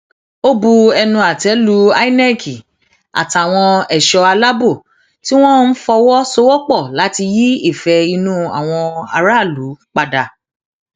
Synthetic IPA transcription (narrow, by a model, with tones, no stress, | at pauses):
o˦bu˧ɛ˧nũ˧a˨tɛ˨˦lu˨˦a˦i˦nɛ˦kʰi˨ | a̰˨ta˨w̃ɔ̃˧ɛ˨ʃɔ˧a˧la˦bo˦˨ | ti˦w̃ɔ̃˦n̩˦fɔ˧wɔ˦so˧˦wɔ˦k͡pɔ˦˨la˨˦ti˧ji˦i˦˨fɛ˧i˧nũ˦a̰˨w̃ɔ̃˧a˧ɾa˦˨lu˨˦k͡pa˧da˧